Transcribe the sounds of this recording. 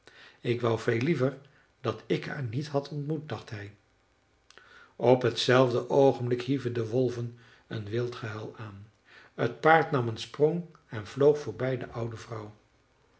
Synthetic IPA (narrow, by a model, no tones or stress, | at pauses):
ɪkʋɑwvejlivəɹ | dɑtʰɪkɦa̰ːɹnitɦɑtʰɔntmut̚dɑχtɦɛj | ɔpɦətsɛlˠvdəʔowχənblɪkɦivəndəʋɔlˠvən | ə̰nʋɪlˠtχəɦɛlˠaːn | ət̚paːɹtnɑmənsprɔŋ | ɛnvlowχfʊːɹbɛjdəʔʌwdəvrʌw